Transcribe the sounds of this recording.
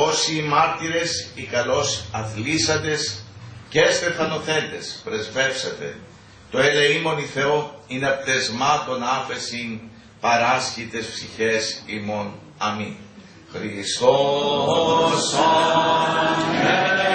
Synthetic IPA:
o̞siːmɐɾt̪iɾe̞sikɐlo̞sɐθlisɐnd̪e̞scest̪e̞fɐno̞θe̞nd̪e̞spɾe̞zve̞psɐt̪e̞̰ | t̪oeleimo̞niθe̞oineɐpt̪e̞zmɐt̪o̞nɐfe̞sin | pɐɾɐsçit̪e̞sfsiçe̞simo̞n | ɐmi | xɾist̪o | s | e

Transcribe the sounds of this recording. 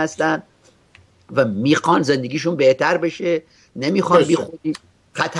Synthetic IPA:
æst̪ænd̪ | væmiːxɒːnzend̪eɡiːʃ̬unbeht̪ʰæɾbe̞ʃe | nemiːxɒnbixoɾiː | xæt̪ʰ

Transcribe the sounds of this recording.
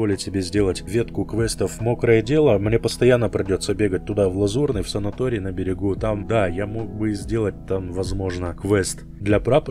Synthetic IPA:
olʲɪtʲsʲɪbʲezʲdʲelˠətʲvʲe̞t̪kʊkvɛst̪əfmokɾəjədʲe̞lˠəmnʲe̞pəst̪ɐjanːəpɾʲɪdʲo̞t̪səbʲe̞ɡət̚ʲt̪ʊd̪avlˠɐzurnəjfsənɐt̪oɾʲɪːnəbʲɪɾʲɪɡut̪amd̪ajamo̞k̚bɨzʲdʲe̞lˠət̚ʲt̪amvɐzmo̞ʐnəkvɛst̪ | d̪lʲɐpɾap

